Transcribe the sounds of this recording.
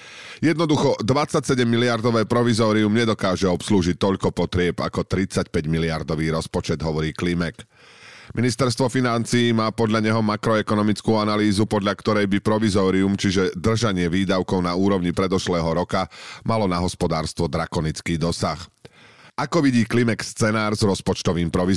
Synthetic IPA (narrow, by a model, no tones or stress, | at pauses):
jɛd̪nɔd̪uxɔd̪ʋat͡sacsɛɟɛmːiliaɾd̪ɔʋɛːpɾɔʋizɔːɾiumɲɛd̪ɔkaːʒɛɔpsluːʒit̪ːɔʎkɔpɔt̪ɾɪɛba̰kɔt̪ɾit͡sacpɛɟmiliaɾd̪ɔʋiːɾɔspɔt͡ʃɛd̪ɦɔʋɔɾiːklimɛk | minist̪ɛɾst̪ʋɔfinant͡siːmaːpɔd̪ʎaɲɛɦɔmakɾɔɛkɔnɔmit͡skuːanaliːzupɔd̪ʎakt̪ɔɾɛjbipɾɔʋizɔːɾiumt͡ʃiʒɛd̪r̩ʒaɲɪɛʋiːd̪aʊkɔʊnauːɾɔʊɲipɾɛd̪ɔʃlɛːɦɔɾɔkamalɔnaɦɔspɔd̪aːɾst̪ʋɔd̪ɾakɔnit͡skiːd̪ɔsax | akɔʋiɟiːklimɛkst͡sɛnaːɾzɾɔspɔt͡ʃt̪ɔʋiːmpɾɔʋi